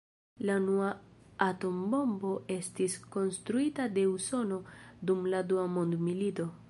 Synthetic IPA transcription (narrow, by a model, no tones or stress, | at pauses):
lanuaato̞mbo̞mbo̞e̞stisko̞nstɾuitade̞uso̞no̞dumladuamo̞ndmilito̞